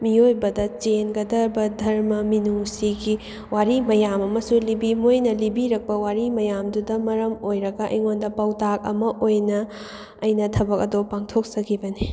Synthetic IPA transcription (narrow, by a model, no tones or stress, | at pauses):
miojbɐdɐt͡ʃenɡɐdɐɾbɐdʱɐɾmɐminusiɡi | waɾimɐjamɐmɐsulibimojnɐlibiɾɐk̚pɐwaɾimɐjamdudɐmɐɾɐmojɾɐɡɐʔjŋondɐpɐwtak̚ɐ̰mɐʔojnɐː | jnɐtʰɐbɐkɐdopaŋtʰok̚sɐɡibɐni